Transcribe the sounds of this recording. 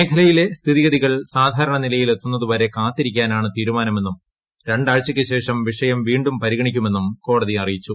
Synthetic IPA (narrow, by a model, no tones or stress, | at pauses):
ejk̪ʰɐlɐjile̞st̪ʰiðiɣɐðiɣɐɭsaːd̪ʱaːɾɐɳɐnilɐjile̞t̪ːunːɐðuʋoːɾe̞kaːt̪ːiɾikʲːaːnaːɳɨt̪iːɾumaːnɐme̞nːum | ɾe̞ɳɖaːɭt͡ɕːɐkʲːɨɕe̞ːʂɐmʋiʂɐjɐmʋiːɳɖumpɐɾiɣɐɳikʲːume̞nːumko̞ːɽɐðiɐrijit͡ɕːu